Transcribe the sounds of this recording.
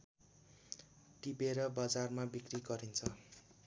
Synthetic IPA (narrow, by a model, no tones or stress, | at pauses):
ʈibeɾʌbad͡zarmabikriɡʌɾint͡sʰʌ